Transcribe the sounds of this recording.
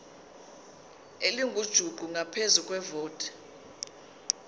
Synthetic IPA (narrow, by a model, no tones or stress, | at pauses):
eliŋɡʱud̥ʒ̥ʱuɡ͡ǃʱuŋʱapʰezukʼwɛvoːtʰʼɛ̥